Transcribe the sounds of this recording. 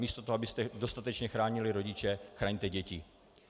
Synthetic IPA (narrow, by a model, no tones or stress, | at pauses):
miːst̪ot̪oɦabɪst̪ɛdo̞st̪at̪ɛt͡ʃɲɛxɾaːɲɪlɪɾo̞ɟɪt͡ʃɛxɾaːɲt̪ɛɟɛcɪ